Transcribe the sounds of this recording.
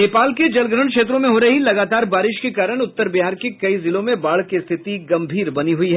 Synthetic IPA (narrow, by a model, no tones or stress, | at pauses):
neːpaːlked͡ʒɐlɡɾəɳ̃kʃeːt̪̬ɾõmẽɦoːɾɐɦilɐɡaːt̪aːɾbaːɾɪʃkekaːɾəɽ̃ʊt̪ːəɾbɪɦaːɾkekɐizɪlõmẽbaːɭkest̪ʰɪt̪iɡɐ̃mbʱiːɾbɐniɦʊiɦɛː